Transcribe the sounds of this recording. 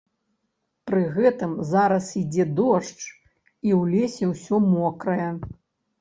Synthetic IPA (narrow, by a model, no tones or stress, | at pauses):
pɾɨɣɛt̪ɨmzaɾɐsid͡zʲɛd̪ɔʂt͡ʂ | iwlʲesʲɛwsʲɔmɔkɾɐjɛ